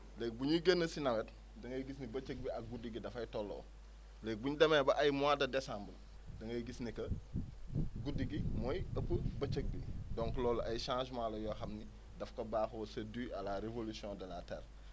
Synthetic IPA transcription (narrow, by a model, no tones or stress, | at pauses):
lɛːk̚buɲiɡənːəsinɐwɛt | dɐŋɐjɡisnibɐt͡ʃək̚biɐk̚ɡudiɡidɐfɐjtɔlːɔ̰ | lɛk̚buɲdɐmɛːbɐʔɐjmwadɐdɛsãːmbə | dɐŋɐjɡisnikɐ | ɡudiɡimɔjɐpːəbɐt͡ʃək̚bidɔŋklɔːlɐjʃãːʒmaːlɔjɔːxɐmni | dɐfkɐbaːxsɐdiɐlaɾevolusiɔ̃ːdɐlaːtɛ̰ːr